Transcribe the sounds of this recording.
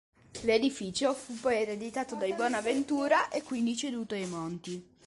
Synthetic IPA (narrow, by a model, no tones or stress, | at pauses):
led̪ifit͡ʃofupːɔjɛɾed̪it̪aːt̪od̪ajbwɔːnavent̪uːɾaʔekːwind̪it͡ʃed̪uːt̪oajmont̪i